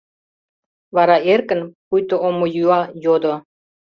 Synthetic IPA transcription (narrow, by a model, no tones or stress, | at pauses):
βɑɾɑerkə̆npujt̪oomojyɑjod̪o